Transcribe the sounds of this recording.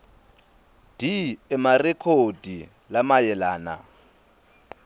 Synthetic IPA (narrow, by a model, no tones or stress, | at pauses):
d̥iɛmarɛkʰod̥ʱi | lamajɛlaːna̰